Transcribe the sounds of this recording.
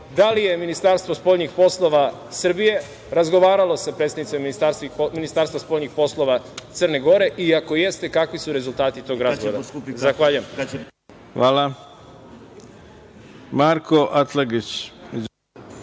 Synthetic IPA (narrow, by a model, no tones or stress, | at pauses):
d̪alije̞minist̪aɾst̪ʋospo̞ʎɲixpo̞slˠo̞ʋa | sr̩bije̞ | ɾazɡo̞ʋaːɾalˠo̞sapɾet̪st̪adnit̪emːinist̪aɾst̪iminist̪aːɾst̪ʋaspoʎɲixpo̞slˠo̞ʋat̪ərne̞ɡo̞ɾe̞ʔiako̞je̞st̪e̞kakʋisuɾe̞zulˠt̪aːt̪it̪o̞ːɡɾazɡod̪azaxʋaːʎujem | xʋaːla | maɾkʰoʔat̪laɡit͡ɕ